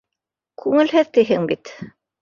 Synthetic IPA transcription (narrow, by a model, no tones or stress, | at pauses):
kʉŋɘlɦɘðt̪iɦɘŋbit̪